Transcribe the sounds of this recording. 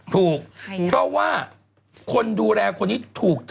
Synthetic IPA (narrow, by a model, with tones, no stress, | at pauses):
t̪ʰuː˨˩k̚pʰɾɔ˦˥waː˥˩ | kʰo˧nduː˧lɛː˧kʰo˧nːiː˦˥t̪ʰuː˨˩k̚t̪ʰ